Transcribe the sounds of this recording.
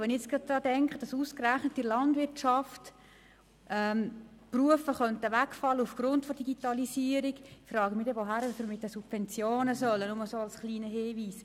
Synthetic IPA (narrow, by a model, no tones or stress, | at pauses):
ʋɛnɪet͡skɡɑd̚d̥ɾɑːdɛŋkχəd̥ɑsuːskræχnətːilɑndʋɪrtʃɑft | ʔɛm | pruəfəχœntəʋækfɑlːəufɡ̥ɾʊntfɔd̥iɡ̥itɑlisiːəɾiɡfrɑːɡəmidɛʋoɦæɾəfəmɪt̪ːəsub̥fɛnt͡sjoːnəsœlːənʊməsoːɑlsχliːnəɦɪːviːs